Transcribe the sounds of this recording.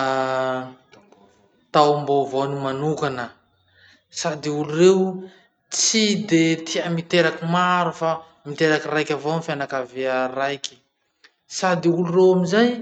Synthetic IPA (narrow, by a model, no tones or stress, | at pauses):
t̪awmbovonumanukanə | sad̪iulurew | t͡sid̪et̪iamit̪eɾakimaɾufa | mit̪eɾakirajkʲavomfianakaveərajki̥ | sad̪iulurewamizaj